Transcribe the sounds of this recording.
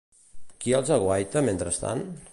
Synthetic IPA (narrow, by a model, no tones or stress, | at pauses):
kiəlˠzaɣwajt̪əment̪ɾəst̪a̰n